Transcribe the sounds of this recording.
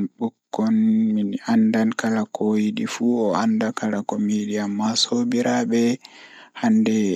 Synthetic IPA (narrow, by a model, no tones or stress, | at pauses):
ɓukːɔnminandankalakʰojiɗifuɔandakalakomidijamːasobiɾaɓɛ | handɛ